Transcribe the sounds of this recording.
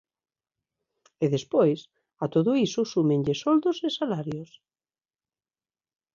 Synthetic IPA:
eðespojs | at̪oðʊisʊsumẽɲʎesɔld̪osesalaɾjos

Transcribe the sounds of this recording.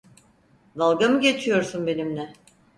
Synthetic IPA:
d̪alˠɡamɯɟe̞t͡ʃʰijo̞ɾsunbe̞nimnɛ

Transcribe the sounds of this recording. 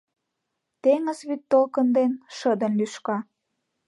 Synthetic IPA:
t̪eŋə̆zβyt̪ːolkənd̪enʃə̆d̪ə̆nlyʃkɑ

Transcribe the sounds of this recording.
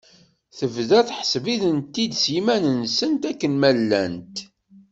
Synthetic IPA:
θəvðæθħə̥sviðənt̪ːid̪sjimænənsənt̪ækːənmælːænt̪

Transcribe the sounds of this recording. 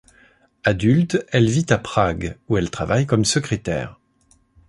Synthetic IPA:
ad̪ylt̪ɛlvit̪apχaɡuɛlt̪χavajkɔmsəkχet̪ɛ̰ːʁ

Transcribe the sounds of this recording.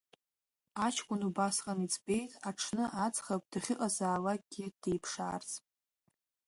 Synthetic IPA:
at͡ʃʰkʷʼʊnubasqʼanit͡sʰʼbe̞jtʼaʈ͡ʂʰnɨʔat͡sʰʼχapʼd̥aχʲɪqʼazaːlak̚ʼɡ̥ʲɪd̥ejpʰʂaːrt͡sʰʼ

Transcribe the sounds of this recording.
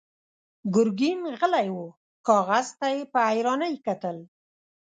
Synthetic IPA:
ɡʊɾɡimɣəlajwu | kɑɣazt̪ajepəajɾɑnajkat̪əl

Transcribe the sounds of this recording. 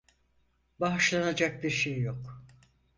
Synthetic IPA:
baʃlˠanad͡ʒak̚biɾʃejːo̞k

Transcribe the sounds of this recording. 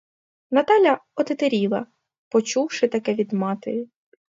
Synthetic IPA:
nɐt̪ɑlʲɐɔt̪et̪eɾʲilˠɐ | pɔt͡ʃuwʃɪt̪ɐkɛʋʲid̪mɑt̪eji

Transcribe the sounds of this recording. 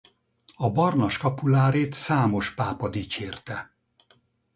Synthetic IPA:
ɒbɒrnɒʃkɒpulaːɾeːt̪saːmo̞ʃpaːpɒd̪iːt͡ʃeːrt̪ɛ

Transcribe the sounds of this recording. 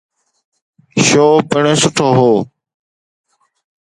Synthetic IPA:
ʃoːpəɳẽːsʊʈʰoːɦoː

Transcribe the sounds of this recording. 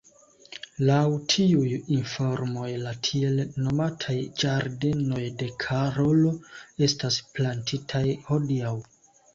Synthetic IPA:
lawtʰiujinfo̞ɾmo̞jlatʰie̞lno̞matʰajd͡ʒaɾde̞no̞jde̞kʰaɾo̞lo̞e̞stasplantʰitʰajho̞diaw

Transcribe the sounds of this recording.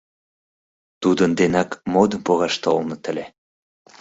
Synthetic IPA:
t̪ud̪ənd̪enɑkmod̪əmpoɣɑʃt̪olnɤ̆t̪ə̆lʲe

